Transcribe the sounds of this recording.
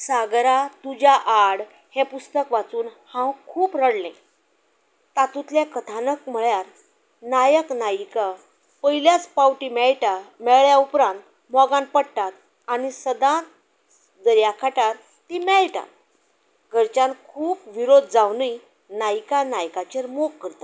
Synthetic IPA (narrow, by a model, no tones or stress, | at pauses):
saɡɾat̪ud͡ʑaʔaɽ | hɛ̃pust̪əkʋat͡suːnhãwkʰuːpɾəɽlẽ | t̪at̪ut̪ljakət̪ʰanəkm̤əɭjaɾ | najəknajka | pəjiljat͡spawʈimɛɭʈamɛɭɭjaupɾãnt̪ | mɔɡãn̚pəɽt̪at̪̚ | anisəd̪ãt̪ | d̪əɾjakʰaʈaɾ | t̪imɛɭʈa̰t̪̚ | ɡʱəɾt͡ɕãnkʰuːpʋiɾod̪ʱd͡zawnəj | najkanajkat͡ɕeɾmokːəɾt̪ḁ